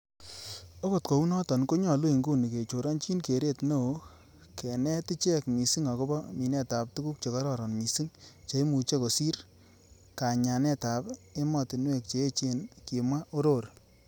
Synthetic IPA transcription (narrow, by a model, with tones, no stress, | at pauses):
o˦ko˦˨t̚ko˨u˦nɔ˦tɔ˨nko˦ɲɔ˨lu˦i˨ŋɡu˦ni˨ke˨t͡ʃo˨ɾɔ˦nt͡ʃi˦nke˨ɾe˦tno˦˨˦ | kɛ˨nɛ˦ti˦t͡ʃɛ˦kmi˨si˦ŋɔ˨ko˦bɔ˦mi˨nɛ˦ta˨p̚tu˦ku˦k̚t͡ʃe˨kɔ˦ɾɔ˦˨ɾɔ˨nmi˨si˦ŋt͡ʃe˨e˦mu˨t͡ʃe˦ko˨si˦ɾ | ka˨ɲa˨nɛ˦ta˨pe˦mɔ˨ti˨nwe˦˨k̚t͡ʃe˨e˦t͡ʃe˦nki˨mwa˦ʔo˦ɾo˦˨ɾ